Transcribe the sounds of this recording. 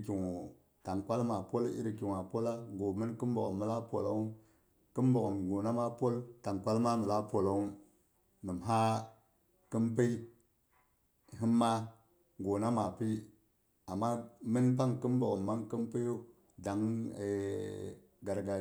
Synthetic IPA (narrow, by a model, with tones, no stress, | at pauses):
kʲi˨ŋo˨ | ta˨ŋkʷa˦lma˨po˦lḭ˦ɾi˨ki˨ŋ˨a˨po˦la˦ɡo˨mi˦nki˦m˦bo˨kmːə˨la˦po̰˨la̰˨˦u˦ | kə˦mbo˨kmɡo˨na˦ma˦po˦lta˨ŋkʷwa˦lma˦mə˨la˦po˨lo˨u˦ | nɨ˨mɦa˦ | ki˦mpi˦ | hi˦mːa˦ | ɡo˨na˦ma˨pi˦ | a˨mːa˦mi˦np̬a˦ŋkɨ˦mbo˨kmːa˦ŋki˦mpi˦jo˦ | da˨ŋe˨ | ɡa˨ɾɡa˨